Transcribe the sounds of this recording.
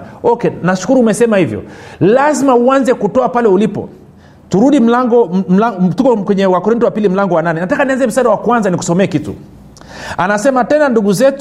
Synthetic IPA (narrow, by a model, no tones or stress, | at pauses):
ɔkɛnaʃu̥kuɾuːmɛsɛmahivjɔ̰lazimauanzɛkutɔapalɛulipɔ̰ | tuɾuɗim̩laŋɡɔm̩latukɔkwɛɲɛwakɔɾintɔwapilim̩laŋɡɔwananɛnatakanianzɛm̩saːɗawakwanzaniku̥sɔmɛːkitṵ | anasɛmatɛnanduɡuzɛtu